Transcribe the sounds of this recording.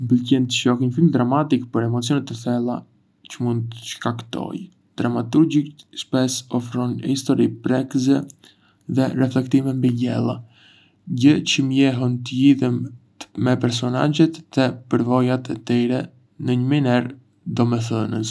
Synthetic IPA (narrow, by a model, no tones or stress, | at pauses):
mbəlcɛnt̪əʃɔhɲəfilmd̪ɾamat̪ikpəɾɛmɔt͡siɔnɛt̪ɛθɛlˠa | t͡ɕəmund̪̚t̪ə̥ʃkakt̪ɔ̰j | d̪̥ɾamat̪uɾd͡ʑikspɛsɔfɾɔnhist̪ɔɾipɾɛkzɛ | ðɛrɛflɛkt̪imɛmbiɟɛlˠa | ɟət͡ɕəmjɛɦɔnt̪əjiðim | mɛpɛɾs̬ɔna̰ɟɛt̪ðɛpəɾvɔjat̪ʰɛt̪iɾɛ | nəɲəminɛɾ | d̪ɔmɛθənəs